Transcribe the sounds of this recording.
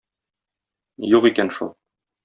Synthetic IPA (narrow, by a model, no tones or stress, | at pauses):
juqikænʃṵlˠ